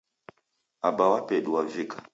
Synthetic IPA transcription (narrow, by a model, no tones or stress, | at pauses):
abawapɛɗuwavikḁ